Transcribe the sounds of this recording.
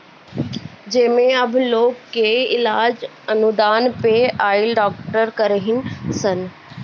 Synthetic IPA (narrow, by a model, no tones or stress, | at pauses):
d͡ʒeːmẽɐbʱloːkːeɪlaːd͡ʒ | ɐnud̪aːnpeaːɪlɖaːkʈəɾkəɾɦɪnsən